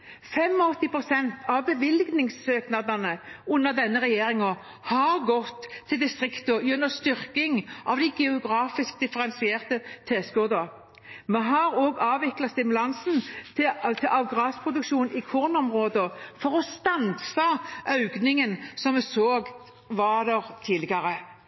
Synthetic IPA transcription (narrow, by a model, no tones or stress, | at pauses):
fɛmːɔɔt̪ːɪpʰɾʊsɛnt̪ɑʋbəʋɪlɡnɪŋsːøːknɑd̪ɑnəʊnːəʁd̪ɛnːəʁɛjeːɾɪŋɔ | hɑɾɡɔt̪ʰːɪld̪ɪst̪ʁɪkt̪ɔjʉnːəst̪ʏʁkɪŋʔɑʋd̪æɪɡɛʊɡɾɑːfɪsk̚d̪ɪfəɾɛnsɪeːʁt̪ət̪ʰeːskʊʁd̪ə | mɛɦɑɾɔɡɑːʋɪklɑt̪st̪ɪmʉlɑnsn̩t̪ʰɪt̪ʰɪlʔɑʋɡʁɑːspʰʁʊd̪ʉkʃuːnɪkʰuːʁnɔmʁoːd̪əfɔɾɔst̪ɑnsɑʔœʉɡnɪŋənsɔmmɛsoːɡ | ʋɑd̪ɛʁt̪ʰiːlɪɡɑɾə